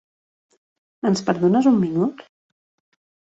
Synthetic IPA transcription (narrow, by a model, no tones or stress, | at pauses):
ənspəɾðonəzumːinut̪